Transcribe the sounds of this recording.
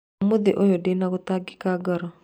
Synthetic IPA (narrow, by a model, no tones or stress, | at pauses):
moðeʔojodenaɣot̪aɡɪkaɡɔɾɔ